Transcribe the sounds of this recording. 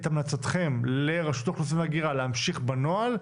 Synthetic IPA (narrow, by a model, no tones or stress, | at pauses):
t̪amnat͡sat̪χe̞mle̞ʁaʃut̪aχnusimvaɡiʁaleamʃiχbanoal